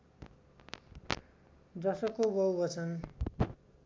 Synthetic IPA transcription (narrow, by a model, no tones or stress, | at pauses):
d̪ʌsʌkobʌwbʌt͡sʰʌn